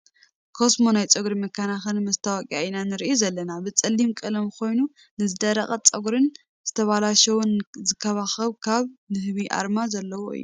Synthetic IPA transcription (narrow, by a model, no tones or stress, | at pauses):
kʰo̞smonajt͡sʼɐɡɾimɐkʰːanaxɐnmɐst̪ʰawakʼijainanɨɾiʔuzɐlːɐnabɨt͡sʼɐlːimkʼɨlɐmkʰo̞jnu | nɨzɨd̪ɐɾɐχʼɐt͡sʼɐɡɾɨn | z̥ɨt̪ʰɐβalaʃɐwunzɨkʰːɐβaxɐβkʰaβnɨhβiʔa̰ɾmazɐlːɐwoɨ̰jːṵ